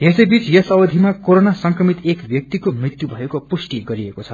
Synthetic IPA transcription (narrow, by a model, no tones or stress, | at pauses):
esʌjbit͡sjʌsʌwʌd̪ʱimakoɾonasʌŋkrʌmit̪ekbjʌk̚t̪ikomrit̪jubʱʌjekopusʈiɡʌɾiekot͡sʰʌ